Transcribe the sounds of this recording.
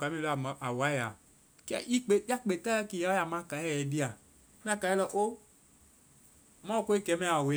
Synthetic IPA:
ka˨˦mẽ˦la˨wa˦ja˨ | kɛ̰˦ʔi˦k͡pe˨di˦a˦k͡pe˨t̪a˦a˦ki˨ja˨˦ja˨mã˦ka˨jɛ˦jɛ˨di˦a˨ | me˦a˦ka˨jɛ˦lɔ˦ʔo˦˨ | mã˦o˦ko˦e˦kɛ˨˦mɛ̃˦a˨we˦

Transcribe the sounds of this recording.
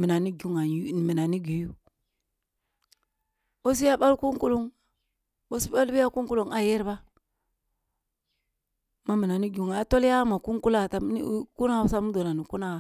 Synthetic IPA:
mi˨na˨ni˦ɡu˦ŋa˨˦ni˨mi˨na˨ni˦ɡi˨ju˦ | bo˦s̬i˦ja˦ɓa˦lku˦ŋku˦lu˦ŋ | bo˦si˦ɓa˦lbi˦ja˦ku˦ŋku˦lu˨ŋa˨je˦ɾba˦ | ma˦mi˨na˨ni˦ɡu˨ŋa˨a˨to˦la˦ma˨ku˦ŋku˦la˦˨ta˨˦ḭ˦ku˦na˦˨˦u˦sa˦mu˦do˨na˨ni˨ku˦na˨

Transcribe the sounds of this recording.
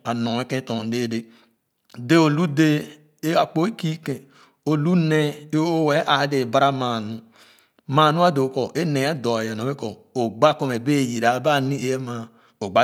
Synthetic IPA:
a˨no˨e˦kẽ˦to˨de˦de˦ | de˦o˨lu˦de˦ | a˨k͡po˦e˦ki˦kẽ˨ | o˨lu˦ne˦e˦o˦we˦ʔa˨˦de˨ba˦ɾa˦ma˨nu˦ | ma˨nu˦a˦do˨ko˨ʔe˦ne˨˦a˦do˨je˨no˨be˦ko˨ | o˨ɡ͡ba˦ko˦me˨be˦˨ji˨ɾa˨˦ba˦˨ni˦e˦je˦ma˨ | o˨ɡ͡ba˦

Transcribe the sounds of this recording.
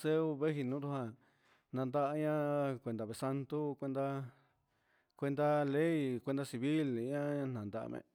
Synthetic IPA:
se˦u˦˧βe˦ɦi˧nũ˨˦t̪u˦hã˧ | nã˧nd̪a˦ʔa˧ɲã˦kʷe˧nd̪a˨βe˧˨sa˧nt̪u˦kʷe˧nd̪a˦ | kʷe˧nd̪a˦le˦i˨˧kʷe˧nd̪a˦˧si˧βi˦lɲã˦ã˧n̥nã˨nd̪a˧ʔa̰˧mḛ̃˧˨

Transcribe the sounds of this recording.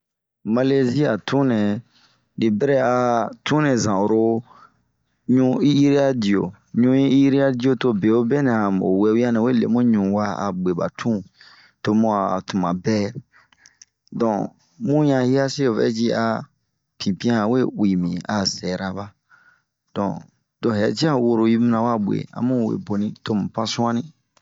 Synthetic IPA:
ma˧le˦zi˦a˨tʰũ˦nɛ̃˨ | ni˨bɛ˦ɾɛ˦a˧tũ˦nɛ̃˨zã˨o˨ɾo˦ | ɲũ˧˦i˦ji˦ɾi˦a˦di˨o̰˨ | ɲũ˧˦ĩ˦i˦ji˦ɾi˦a˦di˦o˦to˧be˨o˦bɛ˦nɛ̃˨a˨mo̰˨wɛ˨wu˦a˦nɛ̃˨we˦lḛ˨mũ˦ɲũ˨wa˦a̰˨ɡ͡be˨ba̰˨tʰũ˦ | to˧mũ˧˦a˨tũ˨mã˨bɛ˦ | dɔ̃˨ | mũ˦jã˧hi˦a˦se˦o˨vɛ̰˦d͡ʒi˦a˨ | pĩ˨pĩ˦ã˦˨we˦wi˨mĩ˨a˨sɛ˨ɾa˨ba˦ | d̥ɔ̰̃˨ | d̥ɔ̃˨ɦɛ˨ti˦a˦wo˧ɾo˨i˦mĩ˦nã˨wa˦ɓwḛ˨a̰˨mũ˦˨wḛ˨bo˨nĩ˦to˦mũ˨pã˦sũ˦ã˦nĩ˦

